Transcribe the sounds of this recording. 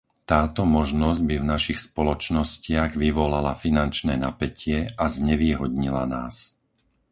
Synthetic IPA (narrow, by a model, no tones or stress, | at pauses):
t̪aːt̪ɔmɔʒnɔzɟ̚bivnaʃixspɔlɔt͡ʃnɔscɪaɣʋiʋɔlalafinant͡ʃnɛːnapɛcɪɛʔazɲɛʋiːɦɔd̪ɲilanaːs